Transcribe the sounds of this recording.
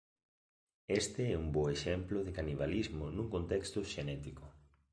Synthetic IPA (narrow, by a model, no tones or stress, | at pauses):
est̪ɪɛumboeʃɛmplʊðɪkaniβ̞alizmʊnũŋkont̪ɛkst̪ʊʃenɛt̪ikʊ